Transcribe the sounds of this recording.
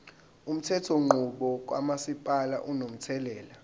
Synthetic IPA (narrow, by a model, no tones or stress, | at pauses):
um̩tʰɛtʰɔŋ͡ǃuɓɔk̬ʼwa̰masipʼala̰ʔunom̩tʰɛlɛːla